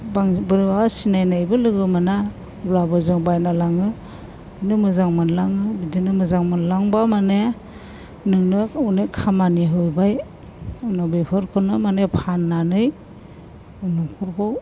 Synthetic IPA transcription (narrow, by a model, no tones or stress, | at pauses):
baŋbɯɾbawasinajnajbɯlɯɡɯmana | blabɯzɯŋbajnalaŋɯ | inɯmɯzaŋmɯnlaŋɯbidinɯmɯzaŋmɯnlaŋbamane | nɯŋnɯunekʰamaniɦɯjbaj | nɔbepʰɯɾkʰɯnɯmanepʰanːanɯj | nuŋkʰuɾkow